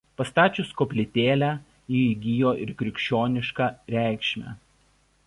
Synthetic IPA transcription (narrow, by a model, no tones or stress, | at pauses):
pɐst̪ɑːt͡ʃʲʊskopʲlʲɪt̪ʲeːlʲæ | jiːiɡʲɪjoːʔɪ̰ɾkʲɾʲɪkʲʃʲt͡ʃʲoːnʲɪʃkɑɾʲæˑɪkʃʲmʲæ̰